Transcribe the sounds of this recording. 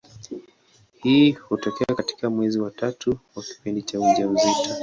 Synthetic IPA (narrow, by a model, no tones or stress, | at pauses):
hiːhutɔkɛakati̥kamwɛziwatatuwaki̥pindit͡ʃauʄauzita